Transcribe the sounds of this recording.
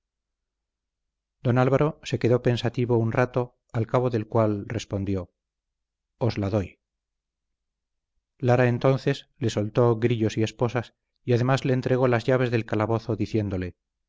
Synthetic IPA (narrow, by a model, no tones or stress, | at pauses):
d̪o̞nalβaɾo̞se̞keðo̞pe̞nsat̪iβounrat̪o̞ | alkaβo̞ðe̞lkwalre̞spo̞nd̪jo̞ | ozlaðoj | laɾaent̪o̞n̟θe̞s | le̞solt̪o̞ɣɾiʎo̞sie̞spo̞sas | iað̞e̞mazle̞ːnt̪ɾe̞ɣ̞o̞lazʝaβe̞zðe̞lkalaβo̞θoðiθje̞nd̪o̞le̞